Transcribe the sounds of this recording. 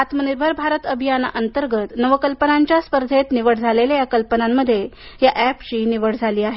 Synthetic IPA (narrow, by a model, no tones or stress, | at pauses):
at̪məniɾbʱəɾbʱaɾət̪əbʱijan̰ʔənt̪əɾɡət̪nəʋəkəlpənaɲt͡ɕjaspəɾd̪ʱet̪niʋəɽd͡zʱalelajakəlpənamːəd̪ʱːjejaʔæpɕiːniʋəɽd͡zʱaliːaɦe